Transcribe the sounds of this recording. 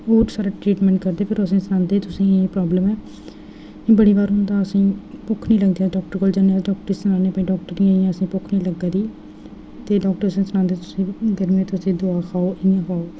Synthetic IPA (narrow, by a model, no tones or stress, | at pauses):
oːɾsaːɾaːʈɾiːʈmɛ̃ːɳʈkəɾd̪eːpʰɪɾəsĩːsənãːnd̪eːt̪ʊsĩːpɾɔːbləmɛː | bəɽiːʋaːɾɦʊnd̪aːəsĩːpʊkʰniːləɡd̪iːaːɖɔːk̚ʈəɾkoːld͡ʒaneaːɖɔːk̚ʈəɾsənaːneːpɛːĩːɖɔːk̚ʈəɾnĩãːəsĩːpʊkʰnĩːləɡaːd̪iː | t̪eːɖɔːk̚ʈəɾəsĩːsənãːnd̪eːt̪ʊsĩːɡəɾmẽːt̪ʊsĩːd̪oaːkʰaːoːʔɪãːkʰaːoː